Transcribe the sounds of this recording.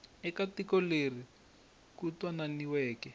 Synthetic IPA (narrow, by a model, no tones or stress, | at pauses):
ɛkatikɔleri | kutwananiwɛːkɛ